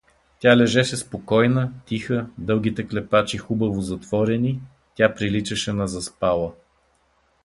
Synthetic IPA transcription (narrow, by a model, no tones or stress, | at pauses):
t̪ʲalɛʒɛʃɛspokɔjnət̪ʲixəd̪ɤlˠɡ̟ʲit̪ɛklɛpat͡ʃixubɐvozɐt̪vɔɾɛni | tʲapɾilit͡ʃəʃɛnɐzɐspalˠə